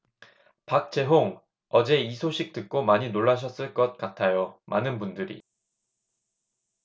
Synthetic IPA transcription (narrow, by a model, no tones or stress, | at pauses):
pak̚t͡ɕ͈e̞ɦoŋ | ʌd͡ʑe̞isʰoɕʰik̚t͈ɯk̚k͈omaɲinoɭːaɕ̬ʰʌs͈ɯɭk͈ʌt̚k͈atʰajomʔanɯnbundɯɾḭ